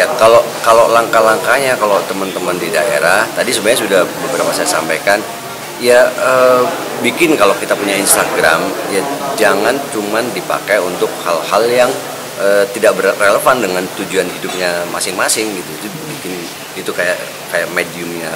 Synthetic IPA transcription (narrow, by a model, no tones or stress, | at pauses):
jakalo | kalolaŋkalaŋkaɲakalot̪əmənt̪əməndida̰ḛɾaht̪adisəbuaɲasudahbəbɾapasajasampajkan | ijaə | bikɪnkalokit̪apuɲainst̪aɡɾa̰mjad͡ʒaŋant͡ʃumandipa̰kajunt̪ʊk̚halhaljaŋ | ʔəːt̪idaʔbərreləfandəŋant̪ud͡ʒuanɦidʊp̚ɲamasɪŋmasɪŋɡit̪uit̪ubikɪn | it̪ukaja̰ʔ | kajaʔmediʊmɲa